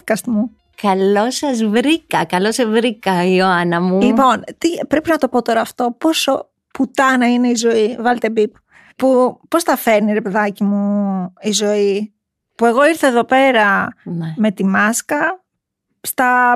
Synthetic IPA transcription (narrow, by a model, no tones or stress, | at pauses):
kɐst̪mu | kɐlo̞sɐzvɾikɐkɐlosɐvɾikɐioɐnɐmulipo̞nt̪ipɾe̞pinɐt̪o̞po̞t̪o̞ɾɐːft̪o̞po̞so̞ | put̪ɐnɐine̞izo̞ivɐlt̪e̞bip | pupo̞sθɐfe̞ɾniɾe̞pe̞ðɐcimuizo̞i | pue̞ɣo̞iɾθɐe̞ðo̞pe̞ɾɐnme̞t̪imɐskɐ | st̪ɐ